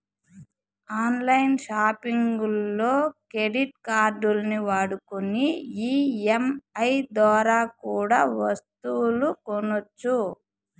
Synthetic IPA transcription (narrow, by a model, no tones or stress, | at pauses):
aːnlɐjnʃaːpiŋɡulːo̞ːkɾeɖiʈ̚kaːɾɖulniʋaːɽukuniiːemɐjd̪ʋɔːɾaːkuːɽaːʋɐst̪ulukonot͡ʃːu